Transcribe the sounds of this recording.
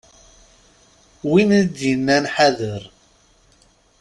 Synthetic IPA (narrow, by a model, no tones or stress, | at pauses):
wind̪inːænħaðəɾ